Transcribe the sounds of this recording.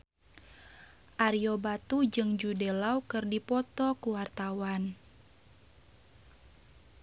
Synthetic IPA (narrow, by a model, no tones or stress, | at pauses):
ʔaɾiobat̪ud͡ʒɨŋd͡ʒudelaukɨrdipɔt̪ɔkuwart̪awan